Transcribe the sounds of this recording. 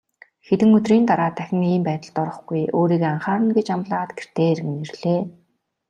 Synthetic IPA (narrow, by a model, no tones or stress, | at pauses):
xet̪ɘ̆ŋɵt̪riːnt̪aɾaːt̪ʰːæxʲɪ̆ŋiːmpæːt̪ə̆ɮt̪ɔɾɞ̆χɡujoːɾiːkaɴχaːɾə̆nɡet͡ɕamɮaːt̪ɡer̥t̪ʰeːɾ̆ɣɘnerɮ̥eː